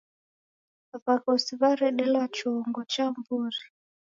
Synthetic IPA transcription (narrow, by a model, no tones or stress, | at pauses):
βakɔsiβaɾɛɗɛlwat͡ʃɔŋɡɔt͡ʃambuːri